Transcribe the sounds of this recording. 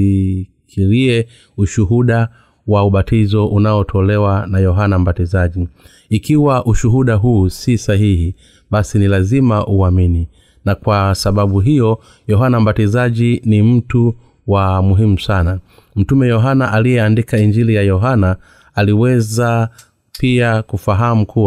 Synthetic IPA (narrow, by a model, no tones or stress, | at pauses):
kʰiliɛ | uʃuɦuɗa | wauɓatizɔʔunaɔtʰɔlɛwanajɔɦanambatizaʄi | ikiwaʔuʃuɦuɗaɦuːsisaɦihi | ɓasinilazimaʔuamini | nakwasaɓaɓuɦijɔ | jɔɦanam̩batizaʄinim̩tu | wamuɦimusana | m̩tumɛjɔɦanaʔalijɛandikaiɲd͡ʒilijajɔɦanaː | liwɛza | piakufaɦamukʰuw